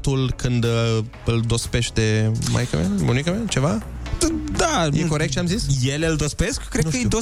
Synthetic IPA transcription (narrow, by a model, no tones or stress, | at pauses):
t̪ulkɨnd̪ | ɨld̪o̞spe̞ʃt̪e̞mʔa̰jkə̰mḛnmonikəment͡ʃe̞va | d̪ajeko̞ɾekt̪̚t͡ʃeamzisje̞leɨld̪o̞speskːɾednkəjd̪o